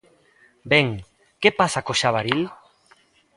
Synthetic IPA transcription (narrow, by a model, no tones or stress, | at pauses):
bɛŋ | kepasakoʃaβaɾil